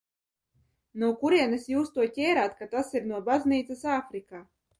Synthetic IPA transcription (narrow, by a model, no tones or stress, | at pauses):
nukuɾiɛnesjuːst̪uɔtʲɛːɾaːt̪kat̪asiɾnuɔbazniːt̪sɛsaːfɾikaː